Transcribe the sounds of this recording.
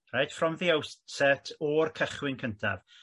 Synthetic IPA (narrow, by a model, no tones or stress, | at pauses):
rajd̥frɔmðiawsɛtʰɔrkʰəχwɪnkʰəntʰa̰v̥